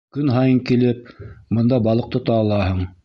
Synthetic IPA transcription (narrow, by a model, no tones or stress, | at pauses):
kɵnɦɑjɤŋkilɘp̚mɤ̆nd̪ɑbɑlˠɤ̆q̚t̪ŏt̪ɑːlˠɑɦɤɴ